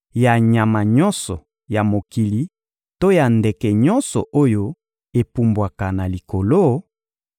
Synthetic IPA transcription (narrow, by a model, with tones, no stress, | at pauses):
ja˨ɲa˨ma˨ɲɔ̃˦nsɔ˨ | ja˨mo˨ki˨li˨ | to˦ja˨nde˨kɛ˨ɲɔ˦nsɔ̰˨ʔo˦jo˦ | e˨pu˨mbwa˨ka˨na˨li˨ko˨lo˦